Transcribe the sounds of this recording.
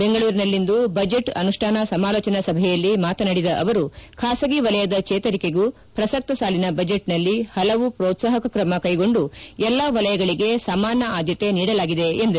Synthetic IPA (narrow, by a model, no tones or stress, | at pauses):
beŋɡɐɭuːɾinɐlːind̪ubɐd͡ʒeʈɐ̰nuʂʈʰaːnɐsɐmaːloːt͡ʃɐnɐsɐbʱɛjɐlːimaːt̪ɐnɐɽid̪ɐʔɐ̰ʋɐɾukʰaːsɐɡiʋɐlɐjɐd̪ɐt͡ʃɛːt̪ɐɾike̞ɡu | pɾɐsɐk̚t̪ɐsaːlinɐbɐd͡ʒeʈnɐlːihɐlɐʋupɾoːt̪saːɦɐkɐkɾɐmɐkɐjɡo̞ɳɖuɛlːɐʋɐlɐjɐɡɐɭiɡe̞saːmaːnːɐʔaːd̪ʱjɐt̪e̞niːɽɐlaːɡid̪e̞end̪ɐ